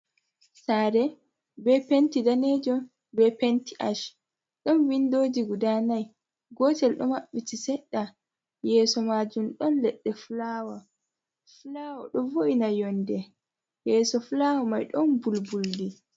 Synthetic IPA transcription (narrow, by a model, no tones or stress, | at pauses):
saːɾɛ | bɛpentidaned͡ʒɔn | bɛpentiʔaʃ | ɗɔnwindoːd͡ʒiɡudanaj | ɡɔːtɛlɗɔmaɓːitisɛɗːa | jɛːsɔmad͡ʒumɗɔnlɛɗːɛfulaːwa | fulawɔɗɔvoʔinajɔndɛ | jɛːsɔfulawamajɗɔnbulbuldi